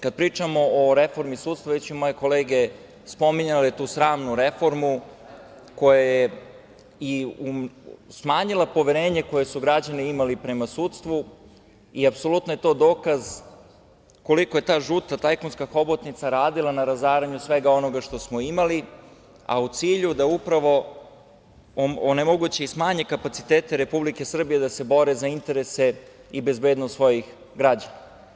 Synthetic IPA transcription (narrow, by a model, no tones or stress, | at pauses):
kad̪̚pɾiːt͡ʃamo̞oɾe̞fo̞ɾmisuːt̪st̪ʋaʋet͡ɕumo̞je̞ko̞leːɡe | spo̞miɲalet̪uːsɾaːmnuɾe̞fo̞ɾmu | ko̞jaje | iusmaːɲilˠapo̞ʋeɾe̞ːɲe̞ko̞je̞suɡɾad͡ʑaniimalipɾe̞masuːt̪st̪ʋu | iapso̞lut̪noje̞t̪o̞ːd̪o̞ːkaz | ko̞likoje̞t̪aːʒut̪at̪ajkonskaxo̞bot̪nit̪saɾaːd̪ilˠanaɾazaːɾaɲusʋe̞ɡao̞no̞ɡaʃt̪o̞smo̞imali | a̰ut̪siːʎud̪aupɾaʋo̞ | oonemo̞ɡut͡ɕe̞ismaːɲekapat̪si̥t̪e̞ːt̪e̞ɾe̞publike̞sr̩bijed̪ase̞bo̞ɾezaint̪e̞ɾese̞ | ibe̞zbeːd̪nost̪ʋo̞jix | ɡɾad͡ʑana